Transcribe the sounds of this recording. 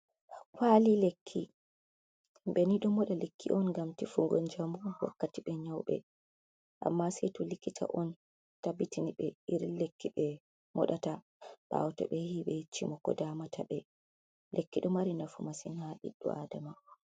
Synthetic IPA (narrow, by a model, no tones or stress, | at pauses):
kwalilekʰːi | ɓɛniɗɔmɔɗalekːḭʔɔnŋɡamtifuŋɡɔnd͡ʒambuwa̰kːatiɓɛɲawɓɛ̰ | ʔa̰mːasɛjtɔlikːitʰa̰ʔɔn | tabitiniɓɛiɾilekːiɓɛ | mʔɔ̰ɗata | ɓ̥a̰wɔtɛ̰ɓɛhiɓɛit͡ʃːimɔkɔ̰damatʰaɓɛ | lʔekːiɗɔmaɾinafumasinhaɗḭɗːɔ̰aːdama